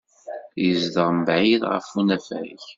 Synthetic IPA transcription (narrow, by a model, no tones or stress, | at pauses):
jəzd̪əʁmbʕiðʁə̰funæfæ̰ç